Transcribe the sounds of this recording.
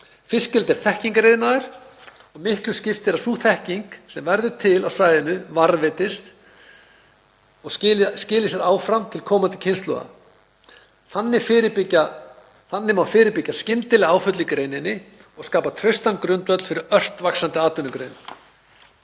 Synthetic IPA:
fɪscɪlt̪ɛɾ̥θɛhciŋkɾejðɪnaðɪɾ̥ | ɔɣmɪhklʏscɪft̪ɪɾasuːθɛhciŋksɛmvɛɾðʏt̪ʰɪlawsaːjðɪnʏvaɾvɪt̪ɪst̪ | ɔscɪːlɪsjɛɾaːwfɾamt̪ʰɪlkʰɔːmant̪ɪ̥cʰenst̪lɔ̰ɣa̰ | hanːɪfɪɾɪpɪcːa | hanːɪmawfɪːɾɪɾpɪcːascɪnt̪ɪlɪaːwfœt̪lɪkɾeːjnɪnːɪ | ɔɣskaːpat̪ʰɾœɥst̪ankɾʏnt̪œt̪lfɪɾɪɾœr̥t̪vaksant̪ɪaːt̪ʏnʏkɾḛjnɪ

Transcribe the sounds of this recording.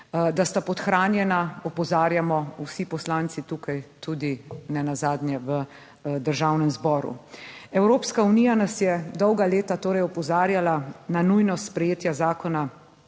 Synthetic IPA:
d̪ast̪apɔt̪xɾaːnjɛnaɔpɔzaːɾjamɔusipɔslaːnt̪sit̪uːkajt̪ud̪inɛnazaːd̪njɛʋə | d̪əɾʒawnɛmzbɔːɾṵɛwɾoːpskaunijanasjɛd̪ɔwɡaleːt̪at̪oːɾɛjɔpɔzaːɾjalananujnɔspɾɛjeːt̪jazaːkɔna

